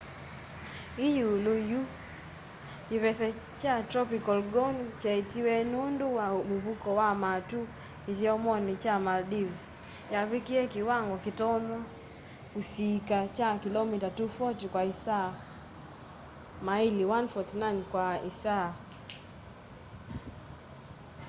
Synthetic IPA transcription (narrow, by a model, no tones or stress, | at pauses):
ijuluju | kiβɛsɛ | t͡ʃatɾɔpikɔlɡɔnt͡ʃaitiwɛnunduwamuβukɔwamatu | iðiɔmɔnit͡ʃamaldivz | jaβikiɛkiwaŋɡɔkitɔnwa | usikat͡ʃakilɔmitatufɔtikwaisa | mailiwanfɔtnankwaisa